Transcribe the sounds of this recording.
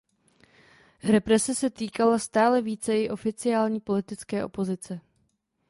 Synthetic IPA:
ɾɛpɾɛsɛsɛt̪iːkalast̪aːlɛviːt͡sɛɪʔo̞fɪt͡sɪaːlɲiːpo̞lɪt̪ɪt͡skɛːʔo̞̰po̞zɪt͡sɛ

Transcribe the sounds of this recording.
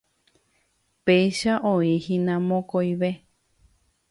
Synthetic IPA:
pejʃaʔõĩhĩnãmõkojʋe

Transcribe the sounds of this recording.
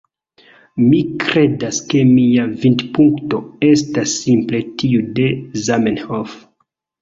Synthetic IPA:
mikɾe̞daske̞miavindpuŋkto̞e̞stasːimple̞tiude̞zamenhof

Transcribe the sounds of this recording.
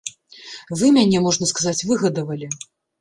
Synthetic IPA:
vɨmʲanʲɛmɔʐnɐskazat͡sʲvɨɣɐd̪ɐvɐlʲi

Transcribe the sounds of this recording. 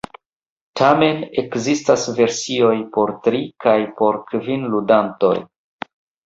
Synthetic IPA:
tʰame̞ne̞kzistasve̞ɾsio̞jpo̞ɾtɾikajpo̞ɾkvinludanto̞̰j

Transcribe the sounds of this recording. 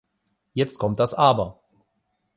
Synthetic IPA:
jɛt͡st̚kʰɔmt̚d̥asʔaːbɐ

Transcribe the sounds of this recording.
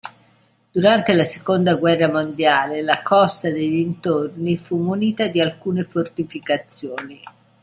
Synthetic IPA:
d̪̥uɾant̪elase̥kond̪aɡwɛrːamond̪jaːlelakʰɔst̪ad̪eʎːint̪ornifumuniːt̪ad̪ialkuːnefort̪ifikat̪sːjoːni

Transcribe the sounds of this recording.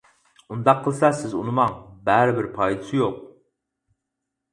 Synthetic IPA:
und̪ɑqʰːəlˠsɛsɪzunɨmɑŋbæɾɪbɪɾpʰɑjd̪ɨsɨjoq̚

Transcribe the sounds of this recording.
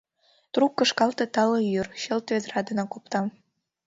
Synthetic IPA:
t̪rukːə̆ʃkɑlt̪ɤ̆t̪ɑlojyrɕəlt̪ved̪rɑd̪ə̆nɑkop̚t̪ɑm

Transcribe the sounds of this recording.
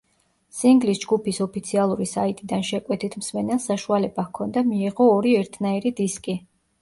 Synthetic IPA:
siŋɡlisd͡ʒɡupʰisɔpʰit̪sʰialˠuɾisait̪ʼid̪anʃɛkʼwɛt̪ʰit̪ʰmsmɛnɛlˠsaʃualɛbakʰɔnd̪amiːʁɔːɾiɛɾt̪ʰnaiɾid̪iskʼi

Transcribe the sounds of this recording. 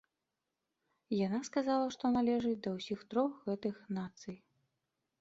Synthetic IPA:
janaskazalˠɐʂt̪ɔnalʲɛʐɨd̪ɐwsʲixt̪ɾɔxɣɛt̪ɨxnat̪sɨj

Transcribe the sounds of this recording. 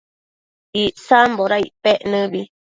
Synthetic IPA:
iʔsamboɾaiʔpeʔnɨ̃βi

